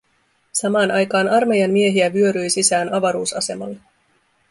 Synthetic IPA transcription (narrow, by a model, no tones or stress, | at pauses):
sɑmɑːnʔɑjkɑːnɑrme̞jɑmːie̞ɦiæʋyø̞ɾyjsisæːnɑʋɑɾuːsɑse̞mɑlːe